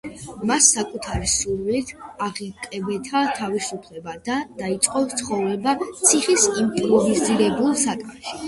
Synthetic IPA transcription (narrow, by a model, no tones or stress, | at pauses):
masːakʼut̪ʰaɾisuɾwilit̪ʰaʁikʼɛbɛt̪ʰat̪ʰavisupʰlɛbad̪̥ad̪̥ait̪sʼqʼɔt̪sʰχɔvɾɛbat̪sʰiχisimpʼɾɔviziɾɛbulˠsakʼmɛʃi̥